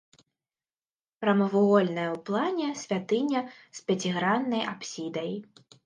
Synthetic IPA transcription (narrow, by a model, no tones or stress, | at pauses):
pɾɐmɐvuɣɔlʲnɐjɐwplˠanʲɛsʲvʲat̪ɨnʲɐ | spʲat͡sʲiɣɾanːɐjʔapsʲid̪ɐj